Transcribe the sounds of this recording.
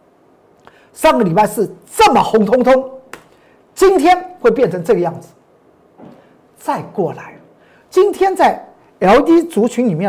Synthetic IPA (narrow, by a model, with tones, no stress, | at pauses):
ʂɑ˥˩ŋɡə˩li˨˩pa˥˧ɪʂɻ̩˥˩t͡sə˥˩mə˩xʊ˧˥ŋt̪ʰʊ˥ŋt̪ʰʊ˥ŋ | t͡ɕi˦˥nt̪ʰjɛ˥nwe˥˩ɪp̬jɛ˥˩nʈ͡ʂʰə˧˥ŋʈ͡ʂɤ˥˩ɡə˦jɑ˥˩ŋd͡zɹ̩˨˩ | t͡sa˥˧ɪkwɔ˥˩la˨˦ɪ | t͡ɕi˦˥nt̪ʰjɛ˥nt͡sa˥˩ɪ | jɑ˧˥ʊt̪i˥t͡su˧˥t͡ɕʰy˧˥nli˨˩mjɛ˥˩